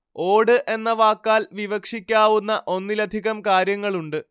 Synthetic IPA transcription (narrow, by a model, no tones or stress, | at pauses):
o̞ːɽɨʔe̞nːɐʋaːkːaːlʋiʋɐkʂikʲːaːʋunːɐʔo̞nːilɐd̪ʱiɣɐmkaːɾjɐŋːɐɭuɳɖɨ